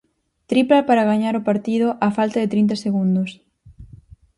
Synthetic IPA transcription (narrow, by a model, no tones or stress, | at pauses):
t̪ɾiplapaɾaɣaɲaɾʊpaɾt̪iðʊʔafalt̪aðet̪ɾint̪aseɣund̪ʊs